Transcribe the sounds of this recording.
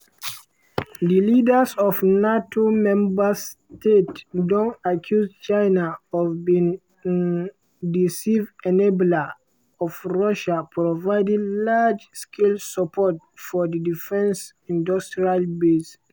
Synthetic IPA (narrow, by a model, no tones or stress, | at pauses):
dilidəsɔfnatʰomɛ̃mbəstetdõnakʰjust͡ʃãɪnaɔvbĩŋ | disivɛnebla | ɔvɹɔʃapʰɹɔvaɪdĩlad͡ʒskʰelsapʰɔt̚ | fɔdidifɛ̃ns | ĩndɔstɹialbes